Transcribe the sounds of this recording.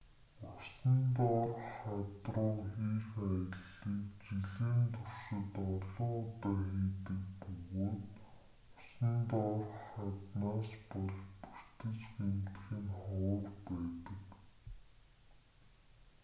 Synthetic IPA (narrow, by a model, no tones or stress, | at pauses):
ʊsə̆nt̪ɔrχat̪rʊːxiːxæjə̆ɮːiːkt͡ɕiɮeːnt̪ʰʊr̥ʃɪ̆t̪ɔɮɔːt̪aːxiːt̪ɘ̆kpɵɣoː | ʊsə̆nt̪ɔrχat̪naːspɔɮpur̥t̪ɘ̆t͡ɕxemt̪xĭnχɔːrpæːt̪ə̆k